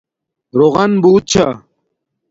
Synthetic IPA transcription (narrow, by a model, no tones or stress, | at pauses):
ɾoːɣɐnbuːt̪̚t͡ɕʰa